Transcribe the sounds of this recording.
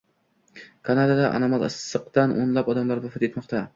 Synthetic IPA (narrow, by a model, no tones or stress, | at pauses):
kʰanad̪ad̪aʔa̰namalˠɨ̰sːɨqd̪anʔonlapɒd̪amlaɾbʊfɪt̪et̪mɒqt̪ʰa